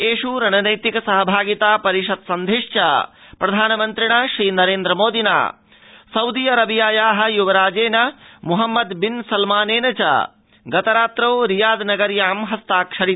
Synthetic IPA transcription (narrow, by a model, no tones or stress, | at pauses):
eːʃuɾɐnɐnɐjt̪ikɐsɐɦɐbʱaːɡit̪aːpɐɾiʂɐd̪sɐnd̪ʱiʂt͡ʃɐ̰pɾɐd̪ʱaːnɐmɐnt̪ɾiɳɐʃɾiːnɐɾeːnd̪ɾɐmoːd̪ina̰ː | sɐwd̪ijɐɾɐbijaːjaːɦɐ̆juʋɐɾaːd͡ʒeːnɐmuɦɐmːɐd̪binsɐlmaːneːnɐt͡ʃɐ̰ | ɡɐt̪ɐɾaːt̪ɾɐwɾijaːd̪nɐɡɐɾjaːmɦɐst̪aːkʂɐɽi